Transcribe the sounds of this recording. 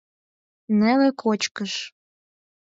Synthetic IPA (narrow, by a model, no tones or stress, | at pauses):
nelĕkʰot͡ɕkəʃ